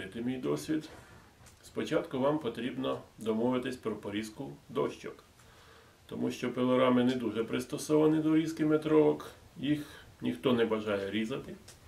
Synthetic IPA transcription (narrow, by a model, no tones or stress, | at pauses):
ɪt̪ɪmʲijd̪ɔsʲʋʲid̪ | spɔt͡ʃɑt̪kʊʋɑmpɔt̪ɾʲibnɔd̪ɔmɔʋɪt̪ɪsʲpɾɔpɔɾʲizkʊd̪ɔʃt͡ʃɔk | t̪ɔmuʃt͡ʃɔpelˠɔɾɑmɪnɛd̪uʒɛpɾɪst̪ɔsɔʋɐnɪd̪ɔɾʲizkɪmet̪ɾɔʋɔkjixnʲixt̪ɔnɛbɐʒɑjɛɾʲizɐt̪ɪ